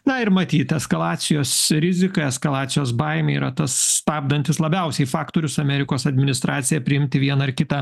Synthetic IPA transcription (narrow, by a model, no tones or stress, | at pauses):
nɐɪɾmɐt̪ʲiːt̪ɛskɐlˠɑːt̪sʲɪjoːsɾʲɪzʲɪkɐɛskɐlˠɑːt̪sʲɪjoːsbɐɪmʲɛiːɾɐt̪ɐsst̪ɑːb̚d̪ɐnʲt̪ʲɪslˠɐbʲɛʊsʲɛɪfɑːkt̪oːɾʲʊsɐmʲɛɾʲɪkoːsɐd̪ʲmʲɪnʲɪst̪ɾɑːt̪sʲɪjɛpʲɾʲɪɪmʲt̪ʲɪʋʲiɛnɐɪɾkʲɪt̪ɐ